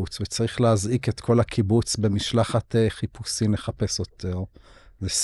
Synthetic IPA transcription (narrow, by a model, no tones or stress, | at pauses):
ut͡svet͡saʁiχleazʔiket̪kʰo̞lakʰibut͡sbe̞miʃlaχateχipusimle̞χape̞sjo̞tʰeʁzes